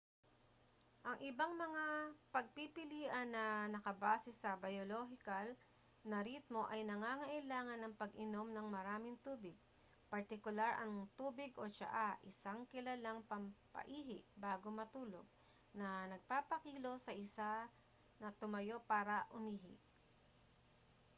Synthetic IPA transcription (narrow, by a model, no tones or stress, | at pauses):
ʔɐŋʔɪbaŋmɐŋapɐɡ̚pipɪliːʔɐnːɐnɐkɐbaːsɛsɐbɐjoloɦɪkɐl | nɐɾit̪̚mo̞ʔɐjnɐŋaːŋɐʔɪlaːŋɐnːɐŋpɐɡʔɪno̞mnɐŋmɐɾaːmɪŋt̪uːbɪɡ̚ | pɐɹt̪ɪkʊlaɾʔɐŋt̪uːbɪɡʔo̞t͡ʃɐ̰ʔaʔɪsaŋkɪlɐlaŋpɐmpɐ̰ʔiːɦɪʔbaːɡomɐt̪uːloɡ̚ | nɐnɐɡ̚paːpɐkiːlo̞sɐʔɪsa | nɐt̪ʊmɐjo̞paːɾɐʔʊmiːɦɪ̰ʔ